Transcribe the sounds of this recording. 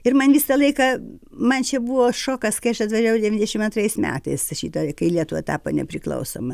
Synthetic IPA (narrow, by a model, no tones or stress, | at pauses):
ɪrmɐnʋʲisɐlˠɐɪkɐ | mɐnt͡ʃʲɛbuʋoːʃoːkɐskɐɪɐʃɐt̪ʋɐʒʲæːʋɐʊdʲɛʋʲinʲzdʲɛʃʲɪmɐnt̪rɐɪsmʲæ̰ːt̪ɐɪsʃʲiːt̪ɐkɐɪlʲiɛt̪ʊʋɐt̪ɑːpo̰ːnʲɛ̰pʲɾʲɪklˠɐ̰ʊso̰ːmɐ